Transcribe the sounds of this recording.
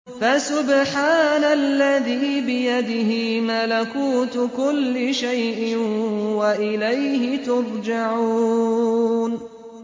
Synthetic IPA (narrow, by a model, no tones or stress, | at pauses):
fasʊbħaːnalːaðiːbɪjad̪ɪɦɪmalakuːt̪kʊlːɪʃajʔɪwaʔɪlajhɪt̪ʊɾˤd͡ʒaʕuː | n